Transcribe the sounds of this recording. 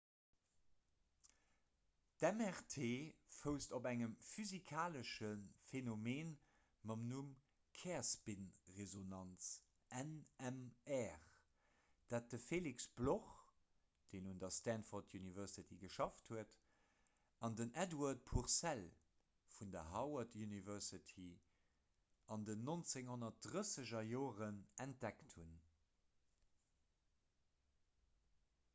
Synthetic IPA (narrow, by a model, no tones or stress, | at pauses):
d̥ɛmɛʁtʰeːfəʊstobæŋəmfyzikʰaːləʃənfenomeːn | mɑmnum | kʰɛːɐspinʁezonɑnt͡s | ʔænɛmɛːʁ | d̥aːt̚dəfeːliksb̥loχ | d̥eːnundɐstænfɔtʰjunivɛʁsitʰiɡəʃɑfthuət | ɑndənædwɑɐt̚pʰuʁsæl | fundɐɦɑwɐtʰjunivɛʁsitʰi | ɑndənːont͡seŋhonɐt̚d̥ʁəsəʑɐjoːʁənʔænt̚d̥ækthun